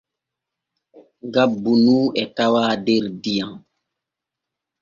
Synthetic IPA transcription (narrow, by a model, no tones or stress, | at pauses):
ɡabunuːɛtawaːdeɾdijãŋ